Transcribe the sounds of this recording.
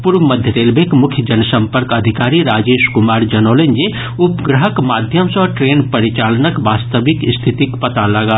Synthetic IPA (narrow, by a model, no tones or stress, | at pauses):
puɾʋməd̪ʱjəɾeːlbekmʊkʰjəd͡ʒənsə̃mpəɾkɐd̪ʱikaːɾiɾaːd͡ʒeːʃkʊmaːɾd͡ʒɐnoːlenje | ʊpɡɾəɦəkmaːd̪ʱjəmsɔːʈɾeːnpəɾit͡ʃaːlnəkʋaːst̪əbɪkst̪ʰit̪ikpɐt̪aləɡaː